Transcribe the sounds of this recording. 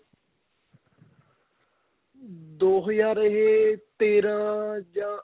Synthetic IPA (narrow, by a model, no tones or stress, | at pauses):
d̪oːɦəzaːɾeɦeːt̪eːɾãːd͡ʒãː